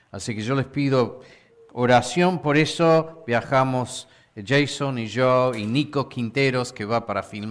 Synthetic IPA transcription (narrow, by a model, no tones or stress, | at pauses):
asikeʒolespiðo | oɾasjo̞mpo̞ɾesobjaxamos | ʒejsoniʒoinikokʰint̪eɾoskeβapaɾafilm